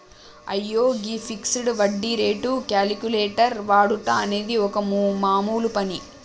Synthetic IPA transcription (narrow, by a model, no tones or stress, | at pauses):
ɐjːoːɡipʰiksɽʋɐɖːiɾe̞ːʈukjaːlikʲuleːʈɐɾʋaːɽut̪aːɐne̞ːd̪iɔkɐmumaːmuːlupɐni